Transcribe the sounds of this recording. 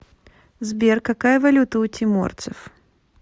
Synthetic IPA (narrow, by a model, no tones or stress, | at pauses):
zbʲerkɐkajəvɐlʲut̪əʊtʲʰɪmo̰rt̪sɨf